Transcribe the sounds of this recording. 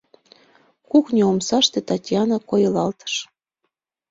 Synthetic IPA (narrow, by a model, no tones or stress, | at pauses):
kuknʲeomsɑʃt̪et̪ɑtʲjɑnɑkojɤ̆lɑlt̪ə̥ʃ